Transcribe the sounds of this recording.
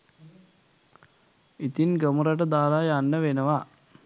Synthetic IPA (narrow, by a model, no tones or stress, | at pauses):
it̪inɡəmuɾaʈ̬əd̪aːlajanːəʋenəʋa